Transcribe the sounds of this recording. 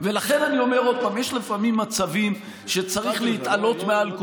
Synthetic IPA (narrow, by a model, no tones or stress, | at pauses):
ve̞laχe̞nanio̞me̞ʁo̞d̪̚pamjeʃlefamimːat͡savim | ʃe̞t͡saʁiχlehit̪alo̞t̪mealk